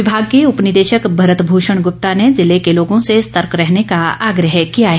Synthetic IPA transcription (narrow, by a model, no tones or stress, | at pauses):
ɪbʱaːɡ̚keʊpnɪd̪eːʃəkbʱɐɾət̪bʱuːʃəɽ̃ɡʊp̚t̪anezɪlekeloːɡõsest̪əɾkɾɛɦnekaaːɡɾəɦkijaɦɛ